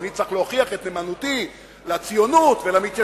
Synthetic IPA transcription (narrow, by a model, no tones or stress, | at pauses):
nit͡saχleaχiaχet̪nemanut̪i | lat͡sijo̞nut̪velamit̪ja